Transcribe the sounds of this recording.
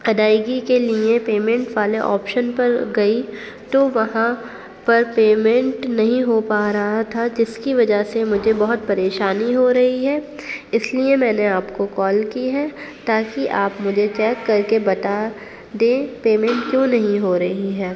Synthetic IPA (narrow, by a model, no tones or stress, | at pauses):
ɐd̪aːɪɡikeliepeːmɛ̃ɳʈʋaːleʔɔ̰ːpʃənpɐɾɡɐi | t̪oʋɐɦã | pɐɾpeːmɛ̃ɳʈnɐɦĩɦopaːɾɐɦat̪ʰad͡ʒɪskiʋɐd͡ʒasemʊd͡ʒʱebɐɦʊt̪̚pɐɾeːʃaːniɦoɾɐɦiɦɛː | ɪsliemɛ̃ːneaːpkokɔːlkiɦɛːt̪aːkiʔaːpmʊd͡ʒʱet͡ʃɛːkːɐɾkebɐt̪a | d̪ẽːpeːmɛ̃ɳʈkjõːnɐɦĩɦoɾɐɦiɦɛː